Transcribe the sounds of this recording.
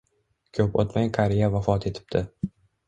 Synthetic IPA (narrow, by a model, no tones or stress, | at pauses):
kʲʰɵpo̰t̪majqʰaɾɪjavafɒt̪ʰe̞t̪ʰɪ̥p̚t̪ʰɪ